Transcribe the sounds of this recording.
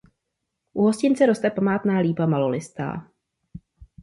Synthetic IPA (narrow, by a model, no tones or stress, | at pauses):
ʔuɦo̞scɪnt͡sɛɾo̞st̪ɛpamaːt̪naːliːbamalo̞lɪst̪a̰ː